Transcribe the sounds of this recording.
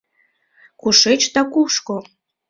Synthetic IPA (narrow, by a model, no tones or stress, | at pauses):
kuʃet͡ɕd̪ɑkuʃko